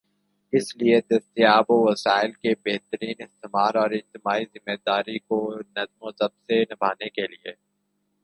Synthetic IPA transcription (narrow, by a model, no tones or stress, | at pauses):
ɪslied̪ɐst̪ijaːboʋɐsaːɪlkebeɦt̪əɾiːnɪst̪ɪmaːɾɔːɾɪd͡ʒt̪ɪmaːizɪmːeːd̪aːɾikonɐzmõsɐbsenɐbʱaːnekelie